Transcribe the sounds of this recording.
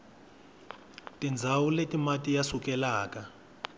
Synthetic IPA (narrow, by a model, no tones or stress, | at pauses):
tʼind͡zʱawuletʼimatʼijasukɛlaːka